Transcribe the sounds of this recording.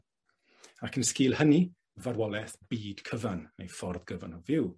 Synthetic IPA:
akʰənskɪːlˠhəni | vadwɔlˠɛθb̥iːd̥kʰəvanːḛjfɔrðɡəvanɔvɪw

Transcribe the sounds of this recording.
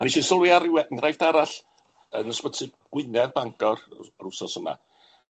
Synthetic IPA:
aniʃiːsəlˠwɪaɾwɛnrajfdaɾaɬ | ənɔspətʰɪɡ̥wɪnɛrbaŋkʰɔrrʊsɔsəma̰

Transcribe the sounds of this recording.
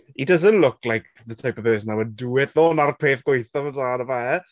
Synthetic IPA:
idəzənʔlʊklajk | ðətʰajpəv̥peːsənawɛduwɪθðoːnarpʰeːθɡ̥wejθɔvədaːnəvɛ

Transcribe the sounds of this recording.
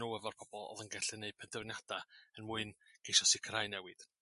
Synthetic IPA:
uəvɔrpʰɔb̥ɔlˠɔ̰ðənɡɛɬɨneɨpʰɛndɛwnjad̥aənmuɨnɡ̥ejʃɔsɪkʰrajnɛwɨd̥

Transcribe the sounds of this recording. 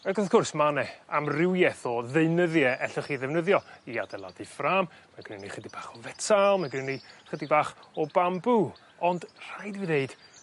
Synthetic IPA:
əɡɔðkʰʊrsmanɛamrɪwjɛθɔðeɨnəðjɛʔɛɬɔχiːðɛvnəðjɔia̰dɛlˠa̰difraːm | maɡrɪniχədib̥aːχɔvɛtʰalˠmaɡrɪniχədibaːχɔbambu | ɔndr̥aɨdvineɨd̥

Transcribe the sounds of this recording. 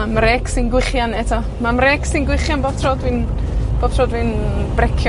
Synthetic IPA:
amrɛːksɪnɡwɪχjanɛtʰɔ | mamrɛːksinɡwɪχjanboːb̥̚tʰrɔːdviːn | b̥oːb̥̚tʰrɔːdviːnb̥rɛkʰjɔ

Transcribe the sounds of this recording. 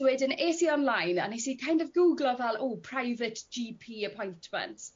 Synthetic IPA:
wɪdəneːsiɔnlajna̰nisiːkʰajndɔvɡuːɡlˠɔvɛlˠoːpʰr̥ajvətd͡ʒiːpʰiːəpʰɔjntʰmə̰̃nts

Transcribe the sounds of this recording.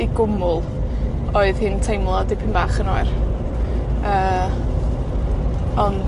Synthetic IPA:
iɡʊmʊlˠ | oːɨð̥hɪntʰejmlˠɔdɪpʰɪnvaːχənoɨr | əː | ɔn

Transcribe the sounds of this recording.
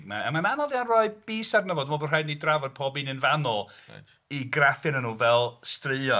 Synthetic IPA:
dma̰amananɔðjanrɔɨb̥iːsarnəvɔdmɔbənrajdnidravɔd̥̚pʰɔːbinɪnvanɔl̰ˠ | iɡrafɨnənuːvɛlˠstrɨɔ

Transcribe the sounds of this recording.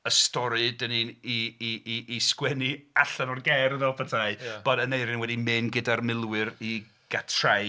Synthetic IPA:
əstɔɾɨdənini | skwɛniaɬanɔrɡɛɾəðɛlˠpʰatʰaɨb̥ɔdənejɾɪnwɛdimɨnɡɪdarmɪlˠwɨɾi | ɡ̥atʰr̥aj

